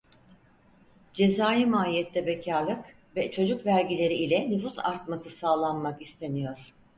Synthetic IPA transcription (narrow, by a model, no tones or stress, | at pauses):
d͡ʒe̞zaːjimaːlijɛt̪lːʲɛbecʰaɾlˠɯk | vɛt͡ʃʰo̞d͡ʒukvæɾɟilʲe̞ɾiilʲɛnyfusa̰ɾt̪masɯsaːlˠanmakist̪ʰe̞nijo̞ɾ̥